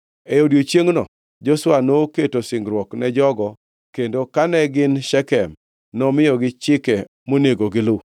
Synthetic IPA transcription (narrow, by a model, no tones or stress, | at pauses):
ejodjot͡ʃjeŋnɔ̰ | d͡ʒoswanoketosɪŋɡɾwɔknɛd͡ʒɔɡɔ | kendokanɛɡɪnʃɛkɛm | nɔmɪjɔɡɪt͡ʃɪkɛ | moneɡoɡɪlʊ